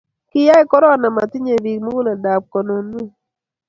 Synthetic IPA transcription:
kɪ˦ja˦ɪ˦kɔ˦ɾɔ˦˨na˨ma˨tɪ˦ɲe˨bi˨kmo˦wu˦la˨da˨p̚kɔ˨no˨nu˦

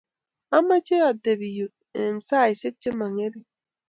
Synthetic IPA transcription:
a˦ma˦t͡ʃe˦a˨de˨bi˨ju˨ | e˨m˨sa˦˨i˨se˦k̚t͡ʃe˦ma˨ŋe˦ɾi˦

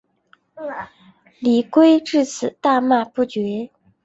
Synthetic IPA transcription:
li˨˩kwe˥ɪʈ͡ʂɻ̩˥˩t͡sʰɹ̩˨˩t̪a˥˧ma˥˧pu˥˩t͡ɕɥɛ˧˥

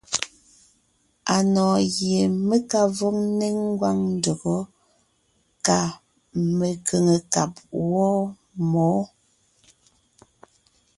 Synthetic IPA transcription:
a˨nɔː˨ɣje˨me˦ka˦vɔ˦ŋ̚ne˦ŋŋ˦ɡwa˦ŋn̩˦do˨ɡɔ˨˦ | ka˦˨ | me˨ke˨ŋe˨ka˨p̚wɔ˦ | mɔː˨˦

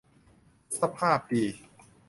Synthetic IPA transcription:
sa˧pʰaː˥˩p̚diː˧

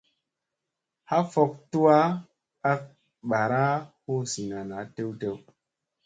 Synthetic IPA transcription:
ha˦fɔ˦k̚tu˦wa˦ | a˦k̚ | ɓa˨ɾa˦ho˦si˨na˨na˨˦te˦wte˦w

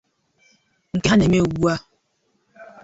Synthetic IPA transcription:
ŋ̩˨ka˦nɛ˨m˦e˦wu˦a˦

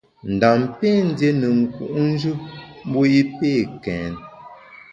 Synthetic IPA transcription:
n̩˨da˨mpe˦˨n̩˦dje˦nə˨ŋ̩˨kṵ˨ʔn̩˦d͡ʒu˦p̚m̩˦bo˦i˦pe˦˨kɛ̃ː˨n

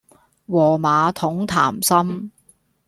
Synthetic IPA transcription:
wɔː˨˩maː˨˧t̪ʰʊ˨˥ŋt̪ʰa̰ː˨˩msɐ˥m

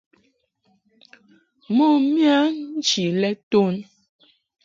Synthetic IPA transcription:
mo˦˨mja˦nn̩˦t͡ʃi˨lɛ˦to˦˨n

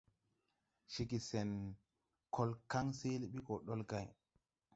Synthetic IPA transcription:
ʃi˨ki˨se˨n | kʰo˦lka˦ŋse˦li˦ɓi˦ko˨ɗo˦lɡa˦˨j

